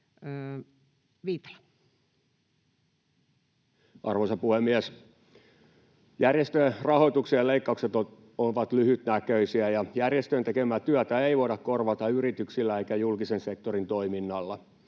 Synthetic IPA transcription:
ʋiːt̪ɑ̥l | ɑrʋosɑpuhemːiæs | jærjest̪ørɑho̞it̪uksiɑleikːɑukset̪o | oʋɑt̪lyhyt̪nækøisiæjɑjærjest̪ønt̪ekemæt̪yæœt̪æeiʋoidɑkkorʋɑt̪ɑyɾit̪yksilːæeikæjulkisensek̚t̪orint̪o̞iminːɑlːɑ

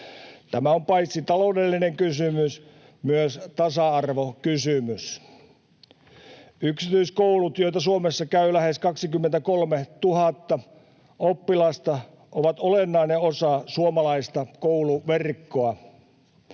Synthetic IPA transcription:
t̪æmæompɑit̪sit̪ɑloˑudelːineŋkysymys | myøst̪ɑsɑɑrʋokysymys | yksit̪yiskoulut̪joit̪ɑsuomesːɑkæylæheskɑksikymːent̪ækolmet̪uhɑt̪ːɑ | opːilɑst̪ɑ | ʔoʋɑt̪olenːɑineosɑsuomɑlɑist̪ɑkouluʋerkːoɑ

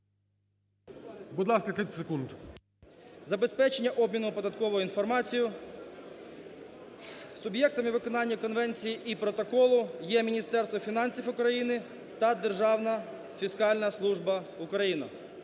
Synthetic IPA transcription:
bud̪lˠɑskɐt̪ʲit̪ʲsekund̪ | zɐbespɛt͡ʃenʲːɐʔɔbmʲinʊpɔd̪ɐt̪kɔʋɔjʊinfɔrmɑt͡sʲijʊ | sʊbjɛk̚t̪ɐmɪʋɪkɔnɑnʲːɐkɔnʋɛnʲt͡sʲijiʔipɾɔt̪ɔkɔlˠʊjɛmʲinʲist̪ɛrst̪ʋɔfʲinɑnʲsʲifʊkɾɐjinɪ | t̪ɐd̪erʒɑwnɐ | fʲiskɑlʲnɐslˠuʒbɐʊkɾɐjinɐ̰

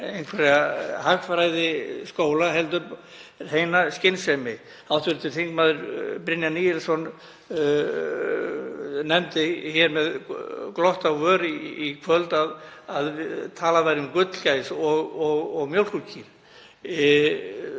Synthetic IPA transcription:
ejnkʰɛɾɛɣahaxfɾajðɪskoːwlaɦɛlt̪̬ʏɾ | heːjnascɪnsɛjmɪ | awt̪ʰvʏɾt̪ʰɪl̥θiŋkmaːðʏɾpɾɪnjanijɛlsɔn | nɛmt̪ɪçɛɾmɛðklɔht̪awœːɾiːkʰvœlt̪aðaðɪt̪ʰaːlavaɾʏmkʏt̪lcajsɔɣɔɣɔɣmjœwlkulcʰiɾ̥

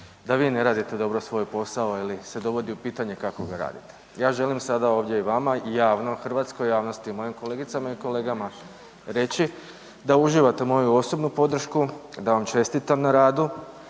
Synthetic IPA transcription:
d̪aʋiːne̞ɾaːd̪it̪e̞d̪o̞bɾo̞sʋo̞jpo̞sao̞ilise̞d̪o̞ʋo̞d̪iupiːt̪aɲe̞kako̞ɡaɾa̰ːd̪it̪e̥ | jaːʒe̞limsad̪ao̞ːʋdʲjeiʋamaijaːʋno̞xr̩ʋaːt̪skojjaːʋno̞st̪iimo̞jimko̞le̞ɡit̪samaiko̞le̞ːɡama | ɾe̞t͡ɕi | d̪auʒiʋat̪e̞mo̞juo̞so̞bnupo̞d̪r̩ʃkud̪aʋamt͡ʃe̞st̪it̪amnaɾaːd̪u

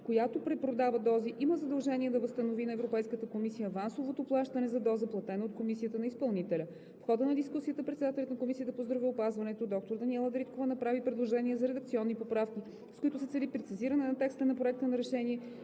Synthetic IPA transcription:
kojat̪opɾɛpɾod̪avəd̪ɔziʔiməzɐd̪ɐlˠʒɛniɛd̪ɐvəst̪ənovinɐɛvɾopɛjskət̪əkomisijəvansovot̪oplˠaʃt̪ɐnɛzɐd̪ɔzəplˠɐt̪ɛnoot̪komisiət̪ənɐispɐlˠnit̪ɛlʲə | fxɔd̪ənɐd̪iskusiət̪əpɾɛt̪sɛd̪at̪ɛlʲɐt̪nɐkomisijət̪əpozd̪ɾɐvɛʊpazvɐnɛt̪od̪ɔk̚t̪oɾd̪ɐniɛlˠəd̪ɾit̪kovənɐpɾavipɾɛd̪lˠoʒɛniɛzɐɾɛd̪ək̚t̪siɔnːipopɾafk̟ʲi | skoit̪ʊsɛt̪sɛlipɾɛt̪siziɾɐnɛnɐt̪ɛkst̪ənɐpɾoɛk̚t̪ənɐɾɛʃɛniɛ

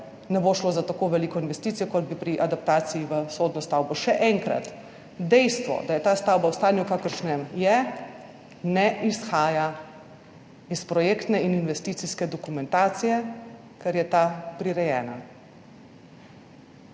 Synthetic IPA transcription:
nɛboːʃloːzat̪akoːʋɛliːkɔinʋɛst̪iːsijɔkɔd̪̚bipɾiʔad̪ap̚t̪aːsijiʋəsoːd̪nɔst̪awbɔʃɛʔɛŋkɾa̰t̪ | d̪ɛjst̪ʋɔ̰d̪ajɛt̪aːst̪aːwbawst̪aːnjukaːkəɾʃnɛmjɛ | nɛʔisxaːja | ispɾɔjeːkt̪nɛininʋɛst̪iːt̪siskɛd̪ɔkumɛ̃nt̪aːt̪sijɛ | kɛɾjɛt̪apɾiɾɛjɛːna

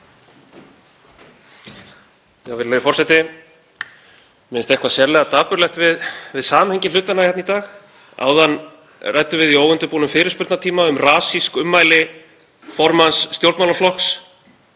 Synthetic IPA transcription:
javɪɾlejðɪfɔrsɛt̪ɪ | mɪnst̪ɛhkvasjɛɾlɛɣat̪aːpʏɾlɛht̪vɪðvɪðsaːmahɛɲcɪʏːt̪anajɛt̪nit̪aːx | a̰ːwðan | rajt̪ʏvɪðiowvʏnt̪ʏpuːnʏmfɪːɾɪɾspʏɾt̪nat̪ʰiːmaʏmraːsiskʏmːaːjlɪ | fɔɾmansːt̪jowlt̪mawlaflɔhks

